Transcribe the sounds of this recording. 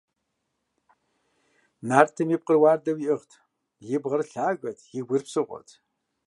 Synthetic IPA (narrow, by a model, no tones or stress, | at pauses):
naːrtʰɨmjip̚qərwaːrdɐwiʔɨʁtʰ | jɪbʁɐrɬaːɡʷɐtʰjɪɡʷʊrpsɨʁʷɔ̰tʰ